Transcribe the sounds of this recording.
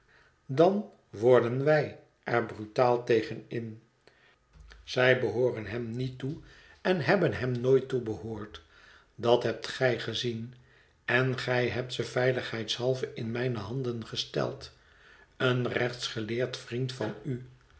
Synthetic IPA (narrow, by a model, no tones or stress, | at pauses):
dɑn | ʋɔɹdənʋɛj | ʔɛɹbrytaːlˠtejχənɪn | z̥ɛjbəɦoːrənɦɛmnitu | ɛnɦɛbənɦɛmnoːjtːubəɦoːɹt | dɑtɦɛp̚tχɛjχəzin | ɛnχɛjɦɛp̚tsəvɛjləχɦɛjtshɑlˠvəɪnmɛjnəɦɑndənχəstɛ̰lˠt | ənrɛχtsχəlɪːɹtfrintfɑny